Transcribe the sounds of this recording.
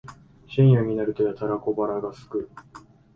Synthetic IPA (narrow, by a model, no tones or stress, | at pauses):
ɕĩɰ̃jaɲ̟inaɾɯ̟t̪o̞jat̪aɾako̞baɾaɡasɨ̥kɯ̟